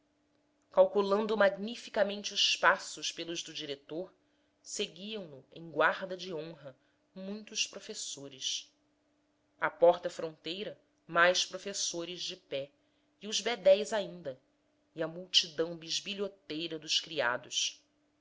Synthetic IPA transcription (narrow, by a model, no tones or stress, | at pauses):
kawkulɐ̃nd̪ʊmaɡnifikɐmẽnt͡ʃɪʊʃpasʊʃpelʊʒd̪ʊd͡ʒiɾet̪oɾ | seɡiɐ̃w̃lʊḛ̃j̃ɡwaɾd̪ɐd͡ʒɪõɦɐ | mũj̃t̪ʊʃpɾofesoɾɪs | ɐpɔɾt̪ɐfɾõnt̪ejɾɐ | majʃpɾofesoɾɪzd͡ʒɪpɛ | iʊzbed̪ɛjzaĩnd̪ɐ | iɐmuwt͡ʃid̪ɐ̃w̃biʒbiʎot̪ejɾɐd̪ʊʃkɾia̰d̪ʊʃ